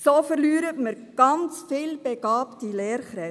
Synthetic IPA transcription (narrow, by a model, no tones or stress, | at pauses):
soːfəɾlyːɾətməɾ | ɡ̥ɑnt͡sfɪːlb̥eɡ̥ɑːptilɛːɾχɾɛ